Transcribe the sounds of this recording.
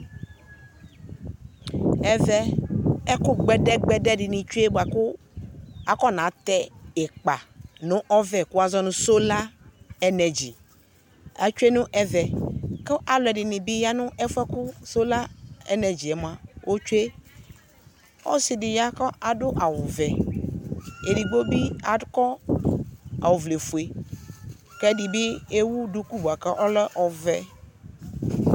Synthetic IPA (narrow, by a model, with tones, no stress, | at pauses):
ɛ˨vɛ˦ɛ˦kʊ˦ɡ͡bɛ˦dɛ˦ɡ͡bɛ˦dɛ˦ɖɪ˨nĩ˨t͡ʃu˦e˦bo˨a˨kʊ˦ | a˨kɔ˦˨nã˨˦t̪ɛ˦ɛ˨k͡pa˨nʊ̃˦ʔɔ˦vɛ˨kʊ˦a˦zɔ˦nʊ̃˦so˦la˦ɛ˦nɛ˨d͡ʒḭ˨ | a˨t͡ʃu˦e˦nʊ̃˦ʔɛ˦vɛ˨ke˦ʔa˨lʊ˨ɛ˨dɪ˨nɪ̃˨bi˦ja˦nʊ̃˦ɛ˦fɛ˦kʊ˦so˦la˦ɛ̰˦nɛ˨d͡ʑi˨ɛ˨m˨a˨wʔo˦t͡ʃu˦e˦ | ɔ̰˦sɪ˨dɪ˨ja˦kɔ˦a˨dʊ˦ʔa˨wʊ˨vɛ˨ | e˨di˨ɡ͡bo˦bi˦a˨˦kɔ˦ | a̰˨wʊ˨vle˨fu˨e˨ | kɛ˦dɪ˨bɪ˦e˦wu˦dʊ˦ku˦bu˨a˨kɛ˦ʔɔ˦lɛ˦ʔɔ˨vɛ˦